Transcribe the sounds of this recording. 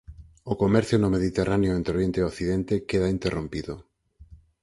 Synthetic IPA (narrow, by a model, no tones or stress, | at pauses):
ʊkomɛɾθjʊnomeðit̪erʔaneoent̪ɾoɾjent̪eokθiðent̪ekeðaint̪erʔompiðʊ